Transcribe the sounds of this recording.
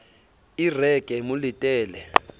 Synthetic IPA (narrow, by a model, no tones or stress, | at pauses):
irɛkʼɛmulitʼɛːlɛ